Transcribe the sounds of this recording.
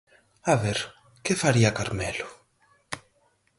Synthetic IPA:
aβeɾ | kefaɾiakaɾmɛlʊ

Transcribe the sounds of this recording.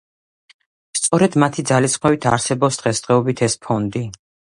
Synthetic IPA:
st̪sʼɔɾɛd̪mat̪ʰid̪zalisχmɛvit̪ʰa̰ɾsɛbɔpsd̪̥ʁɛsd̪ʁɛɔbit̪ʰɛspʰɔnd̪i

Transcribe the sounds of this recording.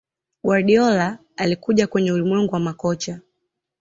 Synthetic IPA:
ɡwaɗiɔlaː | likuʄakwɛɲɛulimwɛŋɡuwamakɔt͡ʃa

